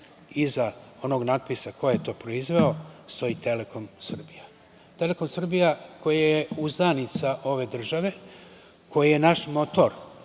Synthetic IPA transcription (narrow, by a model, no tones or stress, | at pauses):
izao̞no̞ɡnad̪̚pisako̞jejet̪o̞ːpɾo̞izʋe̞o̞st̪o̞it̪e̞leko̞msr̩bija | t̪e̞le̞ko̞msr̩bijako̞jajjeuzd̪anit̪saʔo̞ʋe̞d̪r̩ʒaʋe̞ | ko̞jije̞naʃmo̞t̪o̞ɾ